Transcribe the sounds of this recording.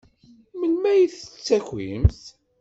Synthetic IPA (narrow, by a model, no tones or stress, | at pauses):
mənmæjəθət͡sːæçimθ